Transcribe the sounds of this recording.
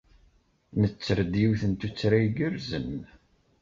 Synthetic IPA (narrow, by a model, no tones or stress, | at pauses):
nət͡sːəɾd̪jiwθənt̪ut͡sːɾajɡəɾzən